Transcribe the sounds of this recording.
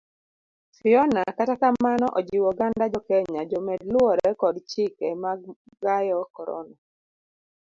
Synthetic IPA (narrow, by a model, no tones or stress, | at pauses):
fɪɔnakatakamanɔʔɔd͡ʒiwɔɡandad͡ʒɔkɛɲad͡ʒɔmɛdlwɔɾɛkɔdt͡ʃɪkɛmaɡ | ɡajɔkɔɾɔ̰na